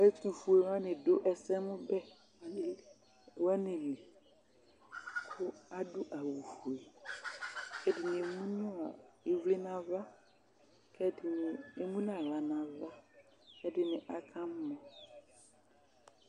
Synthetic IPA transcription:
ɛ˦tu˨fu˨e˨wa˦nɪ̃˨do˦ʔɛ˨sɛ˦mʊ̃˦bɛ˦˨ | wa˦nɪ̃˨li˨ | kʰʊ˦a˦dʊ˦ʔa˨wu˨fu˨e˨ | kɛ˦dɪ˨nɪ̃˨mũ˦nʊ̃˦a˨e˨vle˦nã˨va˦ | kʰɛ˦dɪ˨ɪ˨e˨mũ˦n˦ã˨la˨nã˨va˦ | kɛ˦dɪ˨nɪ̃˨ʔa˨kʰã˦m˦mɔ̃˨

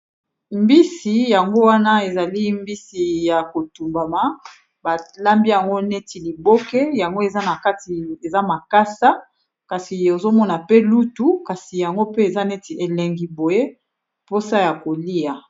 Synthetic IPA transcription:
mbi˦si˨ja˨ŋɡo˦wa˦na˦e˨za˨li˦mbi˦si˨ja˨ko˨tu˨mba˨ma˨ | ba˨la˦mbi˦ja˨ŋɡo˦ne˦ti˨li˨bo˦kɛ˦ja˨ŋɡo˦e˨za˦na˨ka˦ti˨e˨za˦ma˨ka˦sa˦ | ka˨si˨o˨zo˦mɔ˦na˨pe˦lu˦tu˦ka˨si˨ja˨ŋɡo˦pe˦e˨za˦ne˦ti˨ʔe˨lɛ˨ŋɡi˨bo˨je˦ | po˦sa˦ja˨ko˨li˦ja˨

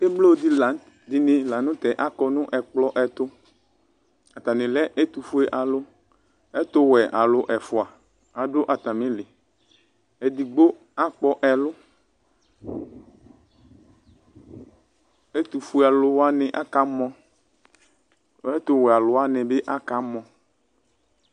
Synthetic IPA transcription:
e˦blo˦˨˦d̪i˦la˨˦n | d̪i˨nɪ̃˨la˨nʊ̃˦t̪ɛ˨ʔa˦kɔ˦nʊ̃˦ʔɛ˨k͡plɔ˦ʔɛ˨t̪ʊ˦ | a˨t̪a˨nɪ̃˨lɛ˦ʔe˦t̪u˨fu˦ɛ˦ʔa˨lʊ˦ | ɛ˦t̪ʊ˦wɛ˨ʔa˨lʊ˦ʔɛ˨fʊ˨a˨ | a˨ɖʊ˦ʔa˨t̪a˨mɪ̃˦lɪ˨ | ɛ˨d̪i˨ɡ͡bo˦ | a˦k͡pɔ˦ʔɛ˨lʊ˦ | e˦t̪u˨fu˦a˨lʊ˦wa˦nɛ̃˨ʔa˦ka˦mɔ̃˦ | ɛ˦t̪ʊ˦wɛ˨a˨lʊ˦a˦nɛ̃˨be˦ʔa˦ka˦mɔ̃˨

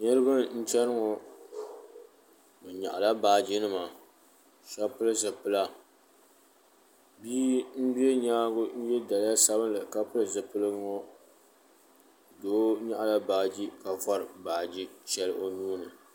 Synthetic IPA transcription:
ɲɨ˦lɨ˦bɨ˦nn̩˦t͡ʃɛ˦nɨ˦ŋɔ˨ | bɨ˨ɲa̰˨ʔa˨la˦baː˨d͡ʒi˦nɨ˦ma˨ | ʃa˦pɨ˦lɨ˦zɨ˨pɨ˦la˦ | biː˦m̩˦bi˦e˦ɲaː˦ɡʊ˦n̩˦jɛ˦da˨lɪ˦ja˦sa˦bɨ˦n˦lɨ˨ka˦pɨ˦lɨ˨zɨ˨pɨ˦lɨ˦ŋo˦ | doː˦ɲa˦ʔa˨la˦baː˨d͡ʒi˦ka˨fɔ˦ɾɨ˨baː˨d͡ʒi˦t͡ʃɛ˦lɨ˦ʔo˦nuː˦nɨ˨

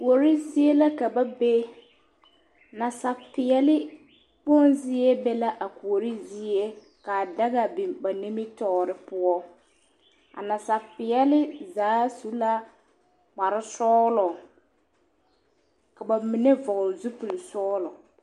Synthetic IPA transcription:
ku˨o˨ɾi˦zi˦ɛ˦la˦ka˨ba˦be˦ | na˨sa˨fɪ˨ɛ˦lɪ˦ | bɔ˦nzɪ˦ɛ˦bɛ˦la˦ʔa˨ku˨o˨ɾi˦zɪ˦ɛ˦ | ka˨da˦ɣa˨bɪ˨ba˨ni˦mɪ˦tɔː˦ɾɪ˦pʊ˦ɔ˦ | a̰˨na˨sa˨pɪ˨ɛ˦lɪ˦zaː˨˦su˦la˦ | k͡pa˨ɾɪ˦sɔː˦lɔ˨ | ka˨ba˨mɪ˨nɛ˦vɔ˨ɣzu˦pu˨lsɔː˦lɔ˨

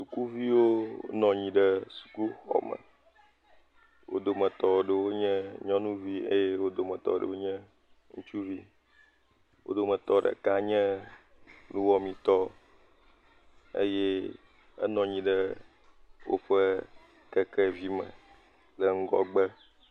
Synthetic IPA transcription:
su˨ku˦vi˦wo˦nɔ̃˨ɲĩ˨ɖə˦su̥˨ku˦xɔ̰˨mə̰˨ | wo̰˦d̪o˨mə̃˨t̪ɔ˨wo˨ɖə˨wo˦ɲɛ̃˦ɲɔ̃˦nũ˦vi˦ḛ˦je˦wo˦d̪o˨mə̃˨t̪ɔ̰˨ɖə̰˨wo˦ɲɛ̃˦ | ŋṵ̃˦t͡ʃu˦vi˦ | wo̰˦d̪o˨mə̃˨t̪ɔ˦ɖə̰˨ka˦ɲɛ̃˦ | nũ˦wɔ˦mĩ˨t̪ɔ˦ | ḛ˦jɛ˦ | ḛ˦nɔ̃˨ɲĩ˨ɖə˦ | wo̰˦ɸe˦ | kɛ˦kɛ˦vi˦mə̰˨ | lə˨ŋ̩˦ɡɔ̰˦ɡ͡bə˦

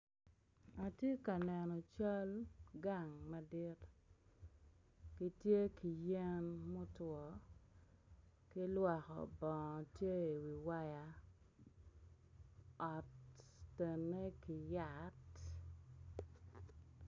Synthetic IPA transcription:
a˨tje˦ka˨nɛ˨nɔ˨t͡ʃa˦lɡa˨ŋma˨di˦t | ki˦tje˦ki˨je˦nmo˦twɔ˨ | ki˦lwɔ˨kɔ̰˨bɔ˨ŋɔ˨tje˦˨wi˨wa˦ja˦ | ɔ˨tː | e˨nːe˦ki˨ja˦˨t

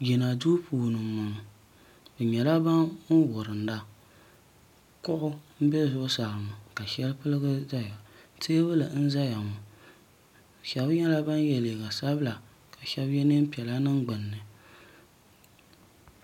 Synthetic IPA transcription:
jɛ˨na˨du˦puː˨nɨ˨ma˨ŋ˨ | bɨ˨ɲɛ˨la˦ba˦n̩˦wʊ˨ɾɨ˨n˨˦da˦ | kʊ˦ʔʊ˦m̩˦bɛ˦zʊ˦ʔʊ˦sa˨ɾɨ˨mʊ˨ka˨ʃɛ˦lɨ˦pɨ˦lɨ˦ɡɨ˦za˦ja˨te˦bɨ˦lɨ˨n̩˦za˦ja˨ŋʊ˨ | ʃɛ˨bɲɛ˦la˦ba˦n˦jɛ˨le˨ɡa˨sa˦bɨ˦la˨ | ka˨ʃɛ˦bjɛ˦nɨ˦m˦pi˨ɛ˨la˦nɨ˦ŋɡ͡bɨ˨nːɨ˨

